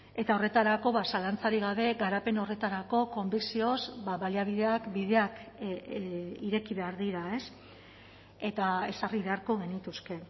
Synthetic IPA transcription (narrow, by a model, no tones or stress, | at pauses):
e̞t̪ao̞re̞t̪aɾako̞βasalant͡saɾiɣaβe̞ɣaɾape̞no̞re̞t̪aɾako̞ko̞mbiksio̞zbaβaliaβiðe̞akbiðe̞ak | iɾe̞kiβe̞aɾðiɾae̞s | e̞t̪ae̞sariβe̞aɾko̞ɣ̞e̞nit̪uske̞